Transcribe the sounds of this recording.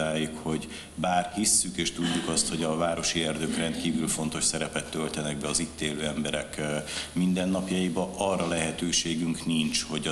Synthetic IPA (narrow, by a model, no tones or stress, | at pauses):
aːjukho̞ɟ | baːrhisːykeːʃt̪uɟːukɒst̪ho̞ɟɒvaːɾo̞ʃiɛrd̪økrɛnt̪̚kiːvylfo̞nt̪o̞ʃsɛɾɛpɛt̪ːølt̪ɛnɛɡ̚bɛɒzit̪ːeːløːɛmbɛɾɛkmind̪ɛnːɒpjɒjibɒʔɒrːɒlɛɦɛt̪øːʃeːɡyŋkniɲt͡ʃho̞ɟ